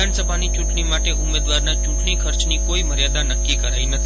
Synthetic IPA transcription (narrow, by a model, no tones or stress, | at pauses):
ansəbʱanit͡ʃũʈɳimaʈeʔʊmːed̪ʋaɾnat͡ʃũʈɳikʰəɾt͡ʃnikoiməɾjad̪anəkːikəɾainət̪ʰi